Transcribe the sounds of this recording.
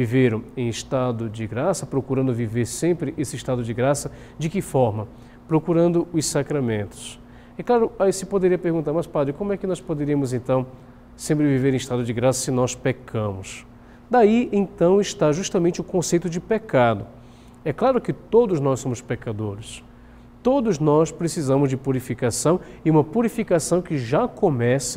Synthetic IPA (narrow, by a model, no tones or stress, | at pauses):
viveɾɐ̃ẽj̃ɪst̪ad̪ʊd͡ʒɪɡɾasɐpɾokuɾɐ̃nd̪ʊviveɾsẽmpɾɪʔesɪɪʃt̪ad̪ʊd͡ʒɪɡɾasɐ | d͡ʒɪkɪfɔɾmɐ | pɾokuɾɐ̃nd̪ʊʊssakɾamẽnt̪ʊ̥s | ɛklaɾʊaisɪpod̪eɾiɐpeɾɡũnt̪aɾmɐspad̪ɾɪkõmʊɛkɪnɔspod̪eɾiɐmʊzẽnt̪ɐ̃w̃ | sẽmpɾɪviveɾẽɪʃt̪ad̪ʊd͡ʒɪɡɾasɐsɪnɔspekʰɐ̃mʊs | d̪aiẽt̪ɐ̃w̃ɪʃt̪aʒuʃt̪ɐmẽnt͡ʃɪʊkõsejt̪ʊd͡ʒɪpekad̪ʊ | ɛklˠaɾʊkɪt̪od̪ʊznɔssõmʊspekad̪oɾɪs | t̪od̪ʊznɔspɾesizɐ̃mʊzd͡ʒɪpuɾifikasɐ̃w̃ɪũmɐpuɾifikasɐ̃w̃kɪʒakõmɛsɐ